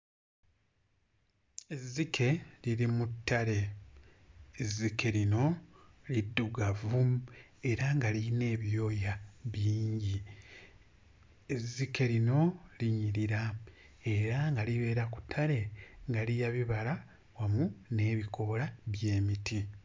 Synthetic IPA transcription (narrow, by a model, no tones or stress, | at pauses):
ezːikʰe̞liɾimutːaɾe̞ | ezːikʰe̞lino̞lidːuɡavu | e̞ɾaŋɡaline̞ːβjo̞ːjaβiːɲɟi | ezːikʰe̞ɾino̞liɲiɾiɾa | e̞ɾaŋɡaliβe̞ːɾaku̥tʰːaɾe̞ŋɡalijaβiβala | wamune̞ːβikʰo̞laβje̞ːmiti